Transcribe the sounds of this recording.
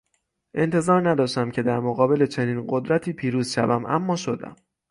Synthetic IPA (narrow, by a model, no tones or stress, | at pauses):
ʔe̞nt̪ʰe̞zɒːɾnæd̪ɒːʃt̪æmcʰe̞d̪æɾmoɣɒːbe̞le̞t͡ʃʰe̞niːnɢo̞d̪ɾæt̪ʰiːpʰiːɾuːzʃævæmʔæ̰mːɒːʃo̞d̪æ̰m